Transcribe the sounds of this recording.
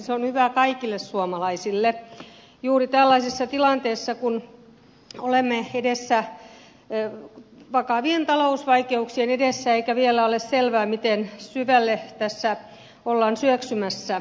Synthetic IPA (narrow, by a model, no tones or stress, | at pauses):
seonhyʋækɑikilːessuomɑlɑisilːe | juːrit̪ælːɑisisːɑt̪ilɑnt̪eːsːɑkun | olemːeedesːæ | ʋɑkɑʋient̪ɑlousʋɑikeuksienedesːæeikæʋielæolesselʋæːmit̪ensyʋælːet̪æsːæ | olːɑːnsyøksymæsːæ